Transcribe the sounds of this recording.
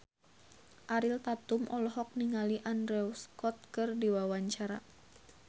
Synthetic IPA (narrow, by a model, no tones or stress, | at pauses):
ʔaɾilt̪at̪umʔɔlɔɦɔk̚niŋaliʔandɾɛuskɔt̪̚kɨrdiwawaɲt͡ʃaɾa̰